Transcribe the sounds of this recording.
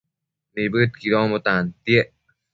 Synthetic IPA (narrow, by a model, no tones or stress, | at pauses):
nebɯt̪̚kiɾɔmot̪ant̪ieʔ